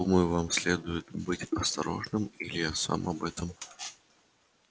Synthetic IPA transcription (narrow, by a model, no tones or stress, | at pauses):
uməjʊvamsʲlʲed̪ʊjɪt̪bɨtʲɐst̪ɐɾo̞̰ʐnɨmilʲɪjasa̰mʔɐbɛt̪əm